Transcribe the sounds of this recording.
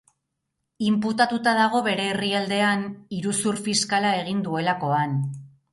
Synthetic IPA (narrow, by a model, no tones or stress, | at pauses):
imput̪at̪ut̪aðaɣ̞o̞βe̞ɾe̞ːriald̪e̞aniɾusuɾfiskalae̞ɣ̞ind̪ue̞lako̞an